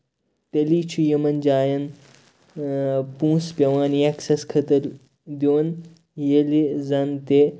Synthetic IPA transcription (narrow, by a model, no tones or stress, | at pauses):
t̪ɐliːt͡ʃʰujɐmɐnd͡ʒaːjɐn | pũːspʲɐʋaːnieksɐskʰɐt̪ɐɾ | d̪joːn | jelezɐnt̪e